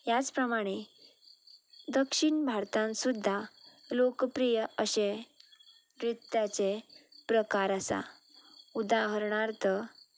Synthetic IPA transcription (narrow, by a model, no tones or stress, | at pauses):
jat͡spɾəmaɽ̃e | d̪əkʂiɳbʱaɾt̪ãnsud̪ʱːa | lokpɾijəəɕẽ | ɾit̪jat͡sepɾəkaɾasa̰ | ud̪aɦəɾɳaɾt̪ə